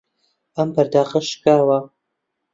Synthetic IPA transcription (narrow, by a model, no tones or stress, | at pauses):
ɐmbɐɾd̪aːqɐʃkaːwɐ